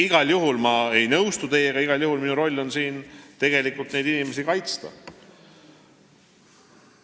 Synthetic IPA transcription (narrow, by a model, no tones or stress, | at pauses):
iɡ̥ɑljuɦulmɑe̞jnɤwst̪ut̪e̞jːeɡ̥ɑiɡ̥ɑljuhulminuɾo̞lʲːo̞nsiːnt̪e̞ɡ̥e̞likːˑult̪ne̞jd̪inime̞s̬ikɑjt̪st̪ɑ̰